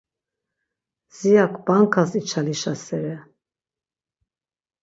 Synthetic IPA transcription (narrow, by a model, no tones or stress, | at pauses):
z̥ijakʰbaŋkʰasit͡ʃʰaliʃasɛɾɛ